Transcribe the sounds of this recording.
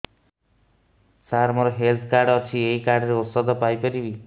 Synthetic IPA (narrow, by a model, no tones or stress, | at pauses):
saɾmɔɾɔɦelt̪ʰkaɾɖɔt͡ʃʰieikaɾɖɔɾeosɔd̪ʱɔpajpɔɾibi